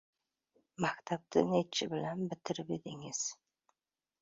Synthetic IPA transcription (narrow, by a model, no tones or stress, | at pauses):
makʲt̪ʰab̚t̪ʰɪ̰net͡ʃʰɪbɪlanbɪt̪ʰɪɾɪped̪ɪŋɪz̥